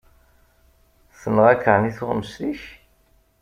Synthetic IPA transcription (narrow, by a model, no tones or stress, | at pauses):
θənʁækːəɾniθʊʁəməsliç